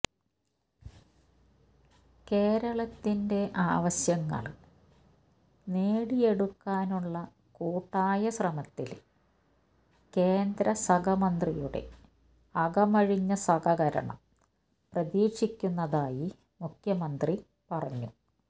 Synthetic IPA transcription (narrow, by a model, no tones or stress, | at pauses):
ke̞ːɾɐɭɐt̪ːinde̞ʔaːʋɐɕjɐŋːɐ̰ɭ | neːɽije̞ɽukːaːnuɭːɐ | kuːʈːaːjɐɕrɐmɐt̪ːil | ke̞ːnd̪ɾɐsɐɡɐmɐnd̪rijuɽe̞̰ | ɐɡɐmɐɻiɲːɐsɐɣɐɣɐɾɐ̰ɳɐ̰m | prɐðiːʂikʲːunːɐðaːji | mukʰjɐmɐnd̪ri | pɐrɐɲːu